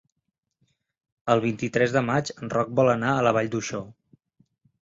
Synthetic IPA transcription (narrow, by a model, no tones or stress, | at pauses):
əlˠβ̞int̪it̪ɾɛzðəmat͡ʃənrɔk̚bɔlənaələβ̞aʎd̪uʃɔ